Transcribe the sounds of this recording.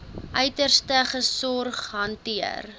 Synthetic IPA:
ʔœɥtərstəχəsɔrχɦɐntiə̰r

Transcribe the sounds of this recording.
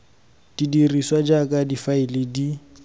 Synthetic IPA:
tidiriswad͡ʒakʼadifaɪlɪdi

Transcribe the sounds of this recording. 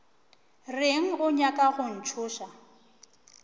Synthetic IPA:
reŋ̩ɣʊɲakʼaɣʊn̩t͡ʃʰʊːʃa

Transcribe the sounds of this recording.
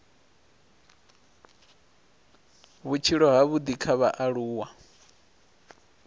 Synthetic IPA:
βut͡ʃʰiɺɔɦaβud̪ikʰaβaʔaɺuːwa

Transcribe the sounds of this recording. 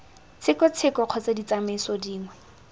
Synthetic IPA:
t͡sʰɪkɔt͡sʰɪkɔq͡χʰɔt͡sadit͡samesɔdiːŋwɛ

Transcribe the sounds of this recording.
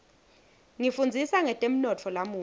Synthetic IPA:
ŋifund͡zʱisaŋɛtʼem̩nɔtʰɔlamuː

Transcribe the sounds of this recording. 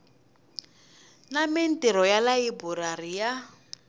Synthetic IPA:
namen̩tɛɾɔjalaibuɾarija

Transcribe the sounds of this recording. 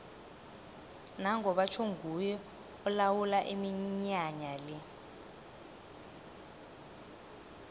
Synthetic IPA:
naŋʱɔɓat͡ʃʰoŋɡʱujɔ | ɔlawulaʔimiɲaɲali

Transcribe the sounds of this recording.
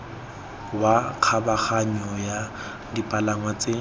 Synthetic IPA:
waq͡χʰabaχaɲɔja | dipʼalaŋwat͡sʼe

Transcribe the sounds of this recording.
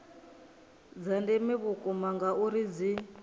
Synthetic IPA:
d͡zandɛmiβukʼumaŋɡaʔuɾid͡zi

